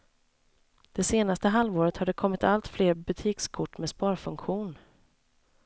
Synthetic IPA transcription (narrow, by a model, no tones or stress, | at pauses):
d̪̥ɛseːnast̪əɦalvoːɾət̪had̪ɛkʰɔmːɪt̪ʰalt̪fleːɾbɵt̪ʰiːkskʰʊʈːmɛspɑːɾfɵŋkɧuːn